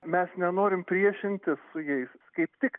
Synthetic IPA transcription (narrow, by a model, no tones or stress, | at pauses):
mʲɛsnʲɛnoːɾʲɪmpʲɾʲiɛʃʲɪnʲt̪ʲɪssʊjɛɪskɐɪpt̪ʲɪk